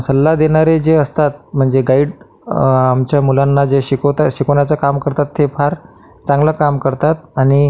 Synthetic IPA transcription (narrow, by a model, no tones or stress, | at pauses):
səlːad̪eɽ̃aɾed͡zeəst̪at̪̚m̤əɳd͡zeɡaiɽ | amt͡ɕjamulanːad͡zeɕikot̪aɕikonjat͡sakamkəɾt̪at̪ːefaɾ | t͡sãŋɡləkamkəɾt̪at̪̚añi